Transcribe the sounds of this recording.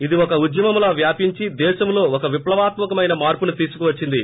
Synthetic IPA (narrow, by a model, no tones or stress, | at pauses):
id̪iɔkɐud̪jɐmɐmlaːʋjaːpiɲt͡ʃid̪ɛːʃɐmlo̞ːɔkɐʋiplɐʋaːt̪mɐkɐmɐjnɐmaːɾpunut̪iːsu̥kuʋɐt͡ʃːind̪i